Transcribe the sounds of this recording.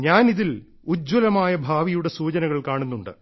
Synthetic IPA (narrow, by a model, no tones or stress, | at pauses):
ɲaːniðil | ud͡ʑwɐlɐmaːjɐbʱaːʋijuɽe̞suːt͡ɕɐnɐɣɐɭkaːɳunːuɳɖɨ̰